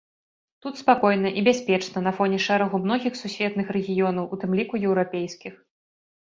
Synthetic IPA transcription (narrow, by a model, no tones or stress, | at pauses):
t̪ut̪spakɔjnɐʔibʲasʲpʲɛt͡ʂnɐnɐfɔnʲɛʂɛɾɐɣumnɔɣʲixsusʲvʲɛt̪nɨxɾɛɣʲijɔn̪ɐwut̪ɨmlʲikujɛwɾapʲejskʲix